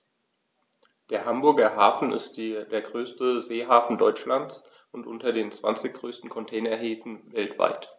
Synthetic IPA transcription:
d̥eːɐɦambʊɐɡɐɦaːfn̩ɪ̰stːd̥eːɐɡʁøːstəzeːɦaːfn̩dɔʏt͡ʃlant͡s | ʔʊntʔʊntɐdeːnt͡sv̥a̰nt͡sɪçɡ̥ʁøːstn̩kʰɔntʰɛːnɐɦeːfn̩vɛltv̥a̰ɪt

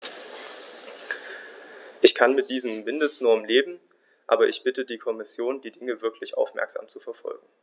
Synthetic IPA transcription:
ʔɪçkʰanmɪt̚d̥iːzəm̩mɪndəstnɔɐmleːbm̩ | ʔa̰ːbɐʔɪçb̥ɪtədiːkʰɔmɪsjoːndiːdɪŋəvɪɐkʰlɪçʔa̰ʊfmɛ̰ɐkz̥a̰ːmt͡sufɛɐfɔ̰lɡŋ̩

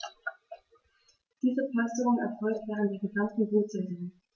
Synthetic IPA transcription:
d̥iːzəplastəʁʊŋɛɐfɔlktvɛːʁ̞əntd̥eːɡəɡantn̩ʁuːt͡sɛzə

